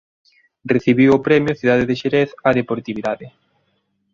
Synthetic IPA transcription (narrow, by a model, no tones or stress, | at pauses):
reθiβiwopɾɛmjoθiðaðeðeʃeɾeθaðepoɾt̪iβiðaðɪ